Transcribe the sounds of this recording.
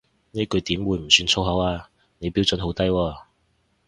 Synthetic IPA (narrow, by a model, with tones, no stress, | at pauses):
niː˥kɵ˨˧jt̪iː˨˥mwuː˨˧jm̩˨˩syː˧nt͡sʰo˥wɦɐ˨˥waː˧ | ne˨˧jpi˨˥wt͡sɵ˨˥nɦo˨˥wt̪ɐ˥jwɔː˧